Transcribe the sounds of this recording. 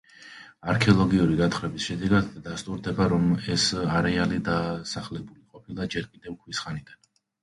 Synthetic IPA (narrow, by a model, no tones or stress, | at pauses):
aɾkʰɛɔlˠɔɡiuɾid̪at̪χɾɛbisʃɛd̪ɛɡad̪ːast̪ʼuɾd̪ɛbaɾɔmɛsaɾɛalid̪asaχlɛbuliqʼɔpʰilˠad͡ʒɛɾkʼid̪ɛvkʰwisχanid̪an